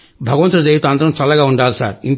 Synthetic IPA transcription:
bʱɐɡɐʋɐnt̪ɾɐd̪ejut̪ant̪ɐɾɐmsɐlɐɡaːuɳɖaːlsa̰ːɾin

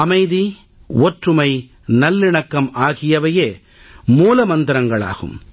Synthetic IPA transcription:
ɐmɐɪði | ɔʈrɯmɐɪ | nɐlːɪɳɐkːɐmaːɣɪjɐʋɐjeː | muːlɐmɐnd̪ɪɾɐŋɡɐɭa̰ːɣɯ̰m

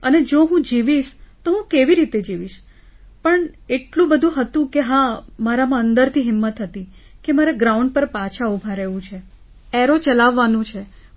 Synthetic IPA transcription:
əned͡ʒoɦũd͡ʒiʋiʃt̪oɦũkeʋiɾit̪ed͡ʒiʋiʃ | pəɳeʈlũbəd̪ʱũɦət̪ũkeɦãmaɾamãənd̪əɾt̪ʰiɦɪmːət̪ɦət̪ikemaɾaɡɾauɳɖ̚pəɾpat͡ʃʰaubʱãɾeʋũt͡ʃʰe | ɛɾot͡ʃəlaʋːanũt͡ʃʰe

